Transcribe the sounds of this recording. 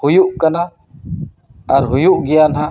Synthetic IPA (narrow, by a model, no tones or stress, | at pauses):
hujuʔkana | aɾɦujuʔɡɛjanɦã